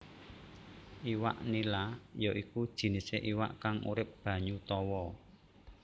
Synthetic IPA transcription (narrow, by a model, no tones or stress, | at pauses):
ʔiwa̰ʔnilajɔʔikud̥ʒ̥i̤niseʔiwa̰ʔkaŋṵɾɪp̚b̥ä̤ɲut̪ɔwɔ